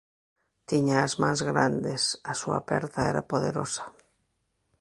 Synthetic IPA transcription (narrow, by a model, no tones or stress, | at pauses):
t̪iɲaːzmãŋzɣɾand̪esɐsua̰pɛɾt̪aɛɾa̰poðeɾosḁ